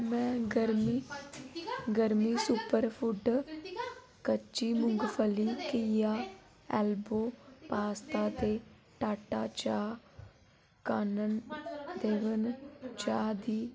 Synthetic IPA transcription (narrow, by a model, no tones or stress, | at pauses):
mɛ̃ːɡəɾmiː | ɡəɾmiːsupəɾpʰʊɖ | kət͡ʃiːmʊŋɡpʰəliːkɪaː | ɛːlboːpaːst̪aːt̪eː | ʈaːʈaːt͡ʃaː | kaːnənd̪eːʋənt͡ʃaːd̪iː